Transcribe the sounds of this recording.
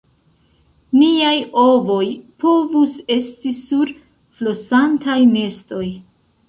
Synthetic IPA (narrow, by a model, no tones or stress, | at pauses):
niajo̞vo̞jpʰo̞vuse̞stisuɾ | flosantajne̞sto̞j